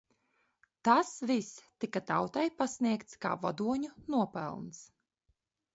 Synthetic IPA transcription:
t̪asvist̪ikat̪awt̪ajpasniɛkt̪ska̰ːvɔd̪uɔɲunuɔpɛ̰lˠns

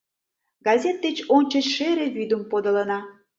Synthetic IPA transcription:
ɡɑzʲet̪̚d̪et͡ɕonʲt͡ɕət͡ɕʃeɾeβyd̪əmpod̪ə̆lənɑ

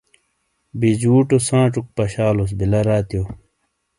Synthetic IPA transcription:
bid͡ʑuːʈosãːʈ͡ʂuk̚pɐɕaːlos̬bilɐɾaːt̪ijo

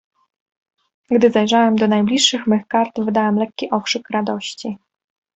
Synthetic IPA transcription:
ɡd̪ɘzajʐawɛmd̪ɔnajblʲiʂːɘxmɘxkaɾt̪vɘd̪awɛmlɛkʲːiʔɔkʂɘkɾad̪ɔɕt͡ɕi

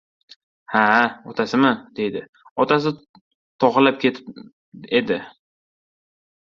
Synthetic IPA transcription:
haɒt̪ʰasɪmɪd̪̥ejd̪ɪ | ɒt̪ʰas̬ɪ | t̪ʰɒχɨlap̚kʲʰet̪ʰɪ | ed̪ɪ

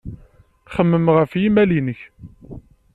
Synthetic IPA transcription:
χəmːəmʁəfjimælinəç

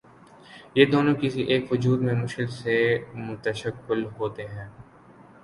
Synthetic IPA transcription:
jeːd̪oːnõkɪsiʔeːkɦʊd͡ʒuːɾmẽmʊʃkɪlsemʊt̪əʃəkːɪlɦoːt̪eɦɛ̃ː

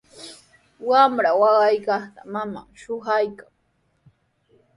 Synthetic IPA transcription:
wamɾawɑɢɑjkɑχt̪amama̰ŋʃʊhajkaŋ

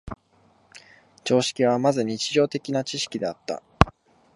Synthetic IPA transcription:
t͡ɕo̞ːɕi̥kʲiβ̞amazɨɲ̟it͡ɕiʑo̞ːt̪e̞kʲinat͡ɕiɕi̥kʲid̪e̞at̪ːa̰

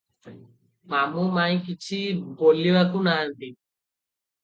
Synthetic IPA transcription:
mamumaj̃kit͡ɕʰibolːibakunaːnt̪i

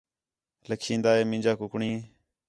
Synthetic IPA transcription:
ləkʰĩːnd̪aːeːmɪ̃nd͡ʒaːkʊkɳĩː

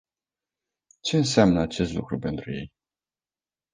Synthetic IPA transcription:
t͡ʃe̞ɨnseamnəat͡ʃe̞st̪lṵkɾupe̞nt̪ɾuje̞̰j

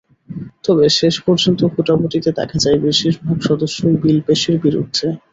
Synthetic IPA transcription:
t̪ɔbeʃeʃpɔɾd͡ʑont̪ofuʈaboʈit̪ed̪ɛ̰kʰad͡ʑajbiʃiʃbʱabʃɔd̪oʃːoibilpeʃiɾbiɾṵd̪ʱːe

